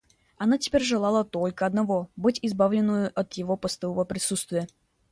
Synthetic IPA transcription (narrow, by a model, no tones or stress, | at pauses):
ɐnatʲɪ̥pʲeɾʲʐɨlˠalˠət̪o̞lʲkəɐd̪nɐvo̞bɨtʲɪzbavlʲɪnːɨjʊʔɐt̪jɪvo̞pəst̪ɐvovəpɾʲɪsut̪st̪vʲɪjə